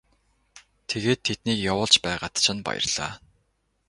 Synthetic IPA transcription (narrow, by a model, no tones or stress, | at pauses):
t̪ʰeɣeːt̪ʰːet̪niːkjawʊːɮt͡ɕpæːʁat̪t͡ɕʰɪ̆npa̰jə̰̆rɮ̥a̰ː